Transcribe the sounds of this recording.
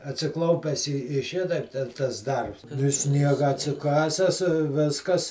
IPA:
ɐtʲsʲɪˈklˠɐʊpʲɛs ɪ ɪ ˈʃʲɪtɐɪp tʲɛn tɐs ˈdɐrps ɪ ˈsʲnʲiɛɡɐ ɐtʲsʲɪˈkɑːsʲɛs ɪ ˈʋʲɪskɐs

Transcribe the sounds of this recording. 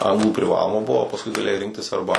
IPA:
ˈɐŋɡlˠuː pʲrʲɪˈʋɑːlˠoːmɐ ˈbʊʋoː oː pɐsˈkʊɪ ɡɐˈlʲeːjɛɪ ˈrʲɪŋktʲɪs ˈɐrbɐ

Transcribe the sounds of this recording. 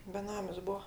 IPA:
bʲɛˈnɑːmʲɪs ˈbuɔ

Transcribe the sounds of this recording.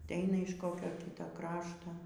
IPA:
ɐtʲˈɛɪnɐ ɪʃ ˈkoːkʲoː ˈkʲiːtoː ˈkrɑːʃtoː

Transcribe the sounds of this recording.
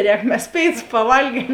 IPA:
ˈrʲɛːk mʲɛs ˈpʲeːɪˌtʊs pɐˈʋɐlʲɡʲiɛm

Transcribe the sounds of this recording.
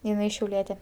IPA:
jɪˈnɐɪ ʃʲɛʊˈlʲiɛtʲeː

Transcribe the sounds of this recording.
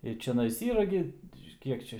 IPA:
ɪ t͡ʃʲɛˈnɐɪs ˈiːrɐ ɡʲɪ ˈkʲiɛk t͡ʃʲɛ

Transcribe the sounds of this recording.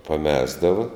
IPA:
pɐˈmʲæːzdɐʋɐ

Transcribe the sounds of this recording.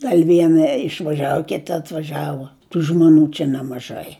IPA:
ˈɡɐlʲ ˈʋʲiɛnɐ ɪʃʋɐˈʒʲæːʋʊ ˈkʲɪtɐ ɐtʋɐˈʒʲæːʋʊ ˈtuː ʒmoːˈnʲuː t͡ʃʲɛ nʲɛmɐˈʒɐɪ

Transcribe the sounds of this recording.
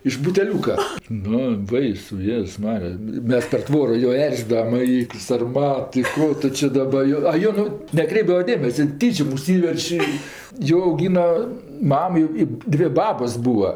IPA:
ɪʃ bʊtʲɛˈlʲuːkɐ ˈnʊ ˈbɐɪsʊ ˈjeːzʊs ˈmɑːrʲɪjɛ ˈmʲɛs pʲɛr ˈtʋoːroː joː ˈɛrʲzʲɪdɐʋɐm ɪ sɐrˈmɐt ɪ ˈkoː tʊ t͡ʃʲɪ ˈdɑːbɐ ˈjoː ɐ ˈjoːn ˈnʊ nʲɛˈkrʲɛɪbdɐʋɐ ˈdʲeːmʲɛsʲɛ ˈtʲiːt͡ʃʲoːm ʊʃʲˈsʲiːʋʲɛrʲt͡ʃʲ ɪ ˈjoː ɐʊˈɡʲiːnɐ ˈmɐm jɛʊ ɪ ˈdʲʋʲeː ˈbɑːboːs ˈbuːɐ

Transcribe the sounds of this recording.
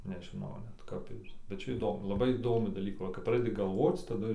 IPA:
nʲɛʒʲɪˈnɐʊ nʲɛt ˈkɐp ɪr bʲɛt ˈt͡ʃʲɛ iːˈdoːmʊ lˠɐˈbɐɪ iːˈdoːmʲuː dɐˈlʲiːkuː ˈʋɐ kɐp ˈprɑːdʲɛdʲɪ ɡɐlˠˈʋoːt͡s tɐˈdʊ

